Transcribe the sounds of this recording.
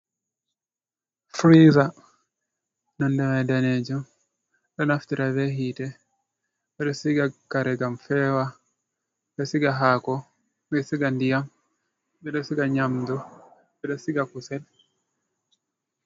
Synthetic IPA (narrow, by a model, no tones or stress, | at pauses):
fɾiza | nɔndɛmɛdanɛd͡ʒɔ | ɗɔnaftiɾavɛhitɛ | bɛdɔsiɡakaɾɛɡamfɛwa | bɛsiɡaɦakɔ | bɛsiɡandijam | bɛɗɔsiɡaɲamdɔ | bɛdɔsiɡakusɛl